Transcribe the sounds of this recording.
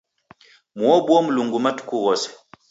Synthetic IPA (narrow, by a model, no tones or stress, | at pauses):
mwɔbɔmuluŋɡumatu̥kuwɔsɛ̥